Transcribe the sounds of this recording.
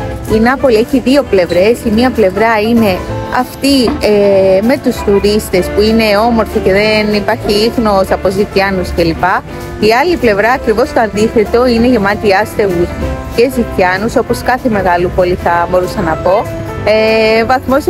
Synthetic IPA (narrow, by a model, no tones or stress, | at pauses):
inɐpo̞lieçiðio̞ple̞vɾe̞simiɐple̞vɾɐine̞ɐ̰ft̪ieme̞t̪ust̪uɾist̪e̞spuine̞o̞mo̞ɾθice̞ðenipɐɾçiixno̞sɐpo̞zic̪ɐnusce̞lipɐ | iɐliple̞vɾɐːkɾivo̞st̪oɐnd̪iθe̞t̪o̞ine̞ʝemɐt̪iɐst̪e̞ɣusce̞zit̪ɐnuso̞po̞skɐθe̞me̞ɣɐlupo̞liθɐbo̞ɾusɐnɐpo̞ | evɐθmo̞s